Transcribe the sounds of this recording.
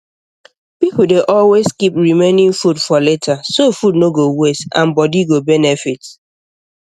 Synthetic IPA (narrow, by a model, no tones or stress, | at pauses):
pipl̩deʔɔlweskipɹimẽnĩŋfudfɔletʰasofudnoɡowesã̰nbɔdiɡobɛnɛfit